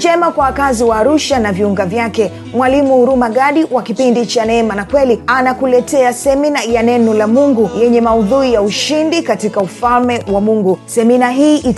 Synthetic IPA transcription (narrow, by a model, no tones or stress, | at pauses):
d͡ʒɛmakwawakaziwaːɾuʃanaviuŋɡavjakɛ | mwalimuuɾumaɡaɗiwakipindit͡ʃanɛmanakwɛlianakulɛtɛasɛminajanɛnɔlamuŋɡujɛɲɛmauðuijauʃindikatikaufalmɛwamuŋɡusɛminaɦiːʔit